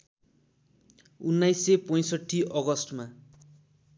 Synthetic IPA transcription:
unːajsepʌj̃sʌʈʰːiʔʌɡʌsʈma

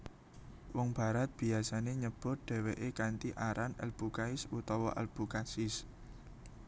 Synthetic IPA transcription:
wɔŋb̥a̤ɾat̪̚b̥i̤asaneɲəb̥ɔ̤d̪̥ɛ̤weʔekant̪iʔaɾʔanɛ̰lb̥ukaɪsut̪ɔwɔ̰ʔɛ̰lb̥ukasɪs

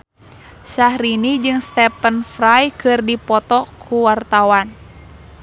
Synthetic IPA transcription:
sahɾinid͡ʒɨŋst̪ɛpənfɾajkɨrdipɔt̪ɔkʰuwart̪awan

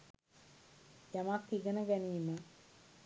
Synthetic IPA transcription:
jamakːiɡənəɡæniːmə

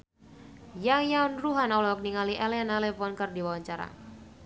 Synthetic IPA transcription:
jajaunruɦanɔlɔk̚niŋaliʔɛlɛnalɛfɔnkərdiwawaɲt͡ʃaɾa̰

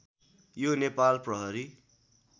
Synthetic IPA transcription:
jonepalprʌɦʌɾi

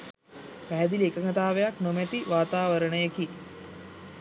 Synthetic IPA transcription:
pæɦæd̪iliekəŋət̪aːʋejaknomæt̪iʋaːt̪aːʋəɾəɳəjeki

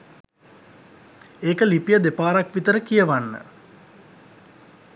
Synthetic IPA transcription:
eːkəlipijəd̪epaːɾakʋit̪əɾəkijəʋanːə̰

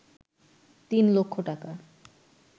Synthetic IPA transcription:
t̪inlokʰːoʈaka

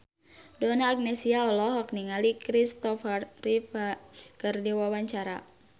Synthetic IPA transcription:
dɔnaːk̚nɛsiaɔlɔɦɔkniŋalikɾist̪ɔfərrifakɨrdiwawaɲt͡ʃaɾa̰

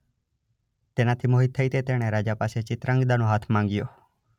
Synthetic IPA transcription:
t̪eːnãt̪ʰiːmoːɦit̪ʰəiːt̪eːt̪eːɽ̃eɾaːd͡ʒaːpaːset͡ʃɪt̪ɾə̃ŋɡd̪aːnõːɦaːt̪ʰmãːŋɡɪjoː

